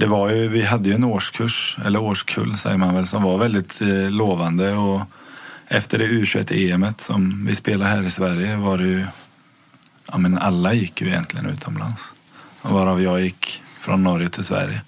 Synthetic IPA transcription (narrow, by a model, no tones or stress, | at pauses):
d̪ɛvaɾjɵvɪɦad̪ːəjɵɛnoːʂkʰɵʂɛ̰lːəɾoːʂkʰɵ̰lːsɛ̰jːəɾmanvɛlsɔmvaɾvɛld̪ɪt̪loːvand̪əɔ | ʔɛft̪ʰəɖɛʉ̟ːɕɛ̰t̪ʰːəeːɛmət̪sɔmvɪspeːlaɦæːɾɪsvæɾjəvaɖɛjɵ | ʔa̰ːmɛna̰lːajɪkːjɵɪjɛ̰nt̪ʰlɪɡənʉ̟̰ːt̪ʰɔmla̰ns | vaɾavjɑːjɪkːfɾɔnːɔɾjət̪ʰɪlsvæ̰ɾjə